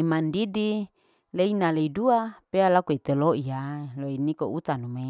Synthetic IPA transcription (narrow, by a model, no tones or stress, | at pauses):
imandidi | leinaleiduapealakuet̪eloijaloinikout̪anume